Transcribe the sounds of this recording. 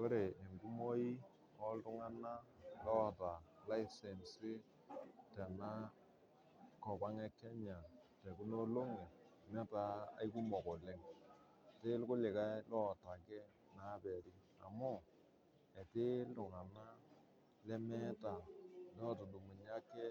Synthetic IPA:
ko˦ɾe˨e˨ŋɡu˦mo˦i˦ | ɔ˦ltʊ˦ŋa˦na˦lɔ˦˨ta˨la˦ɪ˦sɛ˨nsɪ˦ | tɛ˨na˦ | kɔ˨pa˦ŋɛ˦kɛ˦ɲa˨tɛ˨ku˦no˦lo˦ŋe˨ | mɛ˦ta˦a̰˨˦iku˦mɔ˨kɔ˨lɛ˦ŋ˨ | te˦lkʊ˦lɪ˨ka˦lɔ˦˨ta˨kɛ˦ | na˨˦bɛ˨ɾi˦ | a̰˨mʊ˦ | ɛ˨tɪ˦ltʊ˨ŋa˨na˦ | lɛ˦mɛ˦ta˨lɔ˦˨to˨du˨mu˨ɲa˦kɛ˦

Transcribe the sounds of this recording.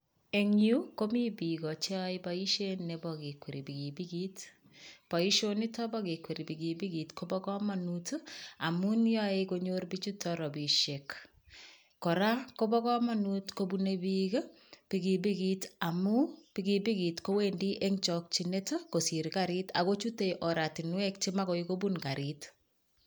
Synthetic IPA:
eŋju˦ko˦mi˦bi˨ɡɔ˨t͡ʃɔibai˦ʃenːebɔke˨kʷwe˨ɾi˨biɡi˨biɡit | pa˨i˦ʃoni˦tɔ˦bɔ˦ke˨kweɾi˨biɡi˨bi˦ɡi˨tkobɔ˦kɔ˦manuta˨munjaekoɲorbit͡ʃu˦tːɔɾɔ˨bi˨ʃek | kːɔ˨ɾa˦ko˦bɔ˦kɔ˦ma˦nutkobunebik | pi˨ɡi˨bi˦kita˨mu˦piɡibi˦ki˨tko˦we˦ndi˦ʔe˦ŋt͡ʃɔk̚t͡ʃine˦to˦ko˨si˨ɾkaɾi˦ta˨ko˦t͡ʃu˦te˦ʔɔ˨ɾa˨ti˨nwɛ˦k̚t͡ʃi˦ma˦kɔ˨iko˦bunka˨ɾit

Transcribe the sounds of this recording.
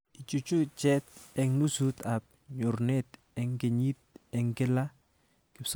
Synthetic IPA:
ɪ˨t͡ʃu˨t͡ʃu˦t͡ʃɛ˦t̪̚ɛ˨knu˦su˦t̪a˨p̚ɲʊ˨ɾnɛ˦t̪ | ɛ˨ŋɡe˨ɲi˦t̪̚ɛ˨ŋɡɪ˦la˦ | kɪ˦ps

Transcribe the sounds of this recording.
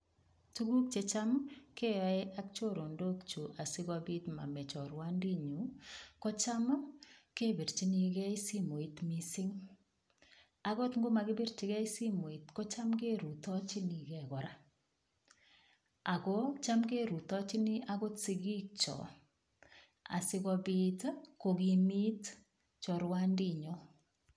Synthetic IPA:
t͡ʃu˦ɡu˦k̚t͡ʃe˨t͡ʃa˦mke˦a˨˦e˦ʔa˦k̚t͡ʃo˦ɾo˨ndo˦kt͡ʃu˨ʔa˨si˦ɡɔ˦bi˦tma̰˨mɛ˨t͡ʃɔ˨ɾwa˦ndi˦ɲu˨˦kɔ˦t͡ʃa˦m˦ke˦bi˨ɾt͡ʃi˦ni˨ɡɛ˦i˦si˦mo˨i˨tmi˦si˦ŋ | a˨ɣɔ˦tŋɡo˦ma˨ɡɪ˦bi˦ɾt͡ʃɪ˨˦ɣɛ˦i˦si˦mo˨i˨tkɔ˦t͡ʃa˦mɡe˦ɾu˨tɔ˦t͡ʃi˦ni˨ɡɛ˦˨ɡɔ˨ɾa˦ | a˨ɡɔ˦t͡ʃa˦mke˦ɾu˨tɔ˦t͡ʃɪ˦nɪ˦a˦ɡo˦tsi˦ɡi˦k̚t͡ʃɔ̰˨ | a̰˨sɪ˦ɣɔ˧bi˦tko˨ɡi˨mi˦t | t͡ʃɔ˨ɾwa˦ndi˦ɲo˦

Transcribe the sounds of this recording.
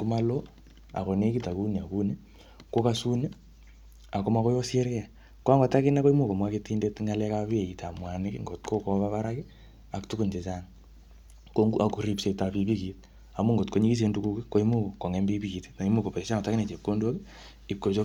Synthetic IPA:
ku˦ma˦lo˦ | a̰˨ko˨ne˦ki˦ta˨ku˦ne˨a˨ku˦ne˦ | ko˦ka˦su˦ne˦ | a˨ku˦ma˦ko˦jo˦se˦ɾke˦a˨ | ko˦a˦ŋɡo˨ta˦kɪ˦na˦ko˦i˦mu˦˨ko˨mwa˦ke˦ti˦nde˦tŋa˦lɛ˦kapi˦e˨i˨tʰa˨mwa˨nɪ˦kiŋɡo˨t̚kʰo˦ko˦βa˦βa˦ɾa˦ki˦ | a˨ktu˦ku˨nte˨t͡ʃa˦ŋ | ko˦ŋɡu˦a˨ku˨ɾi˦pse˨ta˨pi˨pi˦ki˨t | a˨mu˦ŋɡo˨tko˦ɲi˦ki˦s̬e˦ndu˦ku˦ki˦ko˦imu˦ko˨ko˨ŋɛ˦mbi˦pi˦ki˨te̥a˨i˦mu˦ko˨pe˨i˨sa˦ŋɔ˨ta˦ki˦ne˨t͡ʃe˨kːo˦ndo˦ki˦ | i˨kːo˨t͡ʃo˦

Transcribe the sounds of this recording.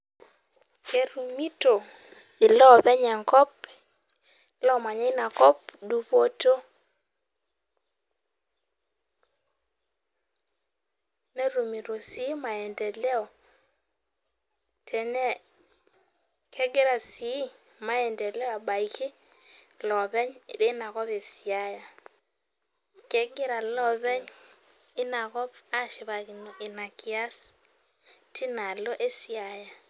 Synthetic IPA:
kɛ˦ɾu˨mi˦to˨ | ɪ˨lɔ˦˨ðɛ˦ɲa˨ŋkɔ˦p̚ | lɔ˦˨ma˨ɲɛ˦ɪ˦na˨kɔ˦pdu˦po˦to˦ | nɛ˦ɾu˨mi˨ɾo˨si˨˦ma˨ɛ˨ndɛ˨lɛ˦ɔ˨ | tʰɛ˨nɛ˦ | kʰɛ˦ɡɪ˦ɾa˨si˨˦ | ma˨jɛ˨ndɛ˨lɛ˦a˨ba˨i˨kɪ˦ | lɔ˨bɛ˦ɲ˨de˦na˨ɣɔ˦be˨si˨a˦ja˨ | kɛ˦ɡɪ˦ɾa˨lɔ˦bɛ˦ɲ | ɪ˦na˨kɔ˦pa˦ʃi˨ba˨ki˨n˨ʔɪ˨na˨ki˨a˦s | ti˦na˨lo˦ʔe˦si˨a˨ja˨

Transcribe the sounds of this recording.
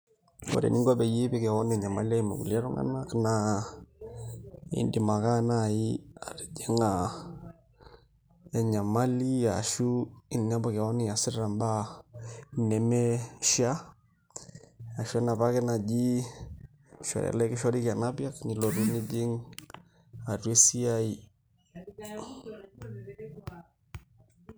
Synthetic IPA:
o̰˨ɾḛ˨ni˦ŋɡa˦bɛ˨je˦bɛ˦kɛ˨wɔ˦nɛ˨ɲa˨ma˦li˦a˦i˨mo̰˨kṵ˨la˦ɾɔ˦ŋa̰˦na˦kna˨ | ḭ˦ndi˨ma˨ka˦na˨i˦a˨ɾe˨d͡ʒɛ˦ŋa˨ | ɛ˨ɲa˨ma˦li˦ja˨ʃu˦i˦˨nn˦a˦bɔ˦kɛ˨ɔ˦ni˨a˨si˦ɾɾa˨mba˦ | nɛ˨mɛ˦ʃa˦ | a˨ʃu˦a˦na˨ba˦kɛ˦na˨d͡ʒi˦ | ʃɔ̰˨ɾa̰˨lɛ˦kɪ˦ʃɔ˦ɾi˦ka˨na˦bja˦kni˨lo˨ɾu˦ni˦d͡ʒi˦ŋ | a˨rwe˦si˦a˦i˨

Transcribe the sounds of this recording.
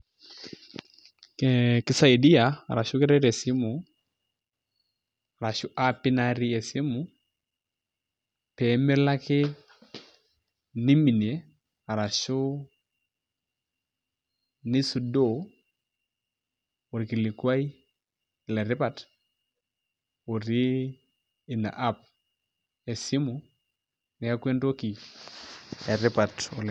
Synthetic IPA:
kkɪ˦sa˦i˨di˦a˨a̰˨ɾa˨ʃʊ˦kɪ˦ɾɛ˦ɾɛ˨sɪ˦mʊ˨ | a˨ɾa˨ʃʊ˦ʔa˦pɪ˦na˦ɾɪ˦ɛ˨sɪ˦mʊ˨ | pɛ˨˦mɪ˦la˦kɪ˦ | nɪ˦mi˨nje˨ | a˨ɾa˨ʃʊ˦ | nɪ˦su˨do˦˨ | ɾi˨ki˨li˨kwa˦i˦˨ | lɛ˨ɾɪ˦pa˨t | o˨ɾi˦ | i˨na̰˨ʔa˦p̚ | e˨si˦mu˨ | nɪ˨a˦kwe˦ndo˦ki˨ | ɛ˨ɾɪ˦pa˨to˨l

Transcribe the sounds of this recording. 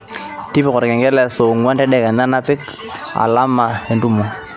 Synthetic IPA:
ti˦pɪ˨kɔ˨ɾkɛ˨ŋɡɛ˦lɛ˨so˨ŋwa˦ntɛ˦dɛ˦kɛ˨na˦na˦pɪ˦k | a̰˨la˦mːa˨ɛ˨ndu˦mɔ˨

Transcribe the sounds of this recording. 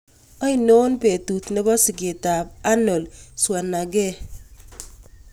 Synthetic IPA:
ɔ˦i˦no˦npe˨tu˨t̪nɪ˦bɔ˦sɪ˨ɡe˨ta˨b̚a˦no˨lswa˨na˨ɡɛ˦

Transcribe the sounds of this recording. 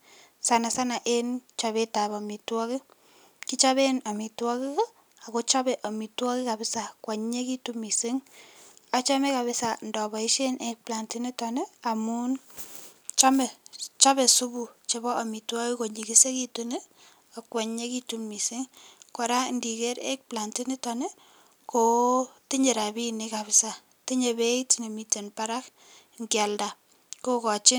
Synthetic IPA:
sa˨na˨sa˦na˨ʔent͡ʃa˨beta˨bɔmi˨twɔ˦ki˦ | ki˦t͡ʃa˦be˦na˨mi˨twɔ˦ki˦kɔ˦ | a˨ko˦t͡ʃa˦bɛ˨ʔɔ˨mi˨twɔ˦ki˦ka˨bɪ˦sa˨kwa˨ɲːe˦ki˦tumi˨si˦ŋ | a˦t͡ʃa˦mɛ˦ka˨βɪ˦sa˨ndɔ˨bɔ˨i˦ʃe˦nʔek̚pla˨nti˦ne˦ta˨nɛ˦a˨mu˦n | t͡ʃamɛ˨t͡ʃa˦bɛ˨su˦bu˨t͡ʃe˨bɔ˦ʔa˨mi˨twɔ˦i˦ko˨ɲi˨ki˦se˦ki˦tune˦ | a˨kwɛ˨ɲɲe˦kitu˦mmi˨sɪ˦ŋkɔ˨ɾa˦ndi˨ke˦ɾḛ˦k̚pla˨nti˦ni˦tɔ˨ne˦ | ko˨ti˦ɲe˨ɾa˨bi˦nika˨bɪ˦sa˨ | ti˦ɲe˨be˦itine˨mi˨te˨npaɾa˦k | ŋɡja˨lda˨ | ko˦kɔ˨t͡ʃɪ˦n

